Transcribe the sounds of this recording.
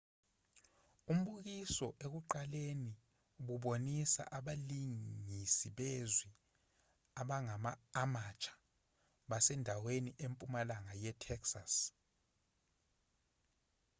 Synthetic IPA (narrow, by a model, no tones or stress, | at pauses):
um̩ɓuk̬isɔʔek̬uǃaleni | ɓuɓonisa̰ʔaɓaliŋisiɓezwi | aɓaŋamaːmat͡ʃʰʼḁ | ɓasɛndʱaweniʔempʼumalaŋajɛtʰɛksas